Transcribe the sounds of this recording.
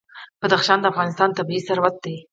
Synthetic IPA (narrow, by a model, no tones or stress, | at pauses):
b̥ad̪axʃɑnd̪əafɣɑnɪst̪ɑnt̪abiisaɾwat̪̚d̪e